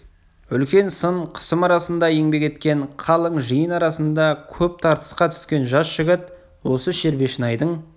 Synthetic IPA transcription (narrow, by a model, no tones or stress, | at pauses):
ʏlkʲe̞nsəɴqʰə̥səmɑɾɑsənd̪ɑjeŋbe̞kʲe̞t̪kʲe̞ɴqʰɑlˠəɴʒəjənɑɾɑsənd̪ɑkʲʰɵp̚t̪ʰɑɾt̪ə̥sqɑt̪ʰʏ̥skʲe̞nʒɑsʒ̥ɪɡʲɪt̪ | wo̞səʃe̞ɾbe̞ʃənɑjd̪əɴ